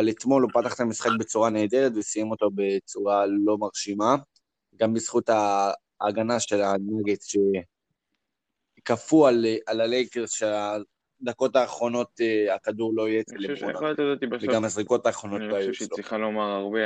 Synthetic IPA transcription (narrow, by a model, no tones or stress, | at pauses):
alet̪mo̞lopat̪aχt̪amisχak̚bet͡suʁaneːd̪e̞ʁet̪vesijemo̞tobe̞t͡suʁalo̞maʁʃima | ɡambisχutaː | ɡanaʃe̞laneɡetʃe̞ | kafualalalejkeʁʃea | d̪ako̞taːχʁo̞no̞t̪akad̪uʁlo̞ijetelefʁonat̪adat̪iveɡamhazʁiko̞t̪aːχʁo̞nooajuloiχalomaʁaʁbe